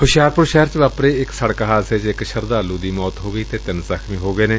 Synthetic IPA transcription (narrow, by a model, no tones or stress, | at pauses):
ɦʊʃjaːɾpʊɾʃɛːɾt͡ʃʋaːpɾeːɪksəɽkɦaːseːt͡ʃɪkʃəɾd̪aːluːd̪iːmɔːt̪ɦoːɡəiːt̪eːt̪ɪnsəkʰmĩːɦoːɡəeːneː